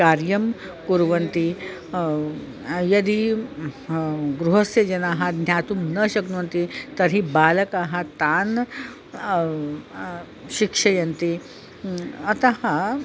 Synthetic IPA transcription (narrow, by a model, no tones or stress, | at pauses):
kaːɾjɐm | kuɾʋɐnt̪i | jɐd̪i | ɡɾuɦɐsjɐd͡ʒɐnaːɦɐd̪ʱnʲjaːt̪umnɐʃɐknuʋɐnt̪it̪ɐɾɦibaːlɐkaːɦɐt̪aːn | ʃikʂɐjɐnt̪i | ɐt̪ɐɦɐ